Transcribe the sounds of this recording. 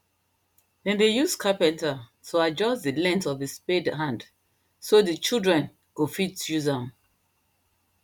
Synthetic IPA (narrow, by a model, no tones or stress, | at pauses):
dɛ̃ndejuskʰapɛ̃ntatoad͡ʒɔsdilɛ̃ntɔvispedɦãnd | sodit͡ʃildɹɛ̃n | ɡ̥ofitjuzãm